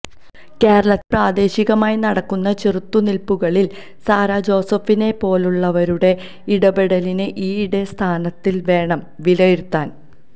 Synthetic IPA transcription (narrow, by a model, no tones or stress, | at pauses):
ke̞ːɾɐɭɐt̪̚praːd̪e̞ːɕiɣɐmaːjnɐɽɐkːunːɐt͡ɕerut̪ːunilpːuɣɐɭil | saːɾaːd͡ʑo̞ːsɐfine̞po̞ːluɭːɐʋɐɾuɽe̞ | iɽɐbeɽɐlineʔiːɽest̪ʰaːnɐt̪ːilʋe̞ːɳɐm | ʋilɐjiɾut̪ːaːn